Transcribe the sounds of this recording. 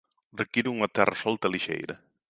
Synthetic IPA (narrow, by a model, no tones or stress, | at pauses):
rekiɾuuŋɐt̪ɛrɐsɔlt̪ɐliʃḛjɾɐ̰